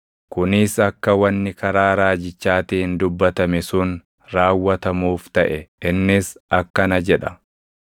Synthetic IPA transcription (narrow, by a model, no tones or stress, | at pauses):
kʊnɪsɐkːɐwɐnːɪkɐɾaːɾaːd͡ʒɪt͡ʃːaːt̪iːhɪnd̪ʊbːɐt̪ɐmɛsʊn | ɾaːwːɐt̪ɐmuːft̪ɐʔɛɪnːɪsɐkːɐnɐd͡ʒɛᶑɐ̥